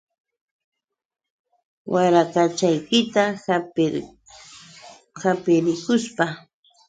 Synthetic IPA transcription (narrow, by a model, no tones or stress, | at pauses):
wʔaɾakat͡ʃajkɪt̪a | hapɪɾɪkʊspa